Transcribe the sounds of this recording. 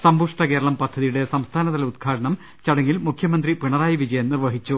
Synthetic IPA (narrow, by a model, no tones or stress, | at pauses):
sɐmbuʂʈɐke̞ːɾɐɭɐmpɐd̪ʱːɐðijuɽe̞sɐmst̪ʰaːnɐðɐlud̪kʰaːɽɐɳɐm | t͡ɕɐɽɐŋːilmukʰjɐmɐnd̪ripiɳɐraːjiʋid͡ʑɐjɐnnirʋɐɦit͡ɕːu